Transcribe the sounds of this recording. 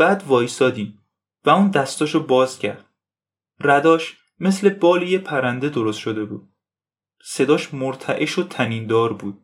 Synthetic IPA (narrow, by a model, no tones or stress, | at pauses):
b̥æːd̪vɒːjsɒːd̪iːm | væuːnd̪æst̪ɒːʃobɒːz̥cʰæɾd̪̥ | ræd̪ɒːʃ | me̞sle̞bɒːlejepʰæɾænd̪e̞d̪o̞ɾost̪ʃo̞d̪e̞bṵːd̪̥̚ | se̞d̪ɒːʃmoɾt̪ʰæʔeʃot̪ʰæniːnd̪ɒːɾbuːd̪̥̚